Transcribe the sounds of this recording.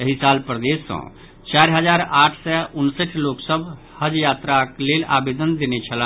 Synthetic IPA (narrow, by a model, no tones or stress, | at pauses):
jəɦisalpɾəd̪esːə̰̃ | t͡ʃaɾɦəd͡ʒaɾaʈʰsɛʔunsəʈʰloksəbʱ | həd͡ʒjat̪ɾaklela̰bed̪ənd̪enɛt͡ʃʰələ